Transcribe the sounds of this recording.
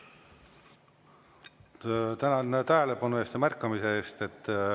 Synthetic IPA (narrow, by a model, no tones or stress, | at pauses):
t̪ænɑnt̪æɦele̞pɑnueːst̪jɑmærkːɑmise̞eːst̪e̞t̪ː